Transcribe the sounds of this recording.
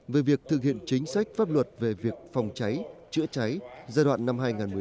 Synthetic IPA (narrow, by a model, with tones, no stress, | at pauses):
ve˨˦vi˨˩ək̚t̪ʰɨ˨˩k̚hḭ˧˨ənt͡ɕï˨˦ŋ̟sa˦˥jk̟̚faː˦˥p̚lwə˨˩t̚ve˨˩vi˨˩ək̚fa˨˩wŋ͡mt͡ɕa˨˦jt͡ɕɨ̰˧˥ət͡ɕa˨˦jzaː˧jɗwa̰ː˧˨nːa˧mɦaː˧jŋaː˨˩nmɨ˨˩˨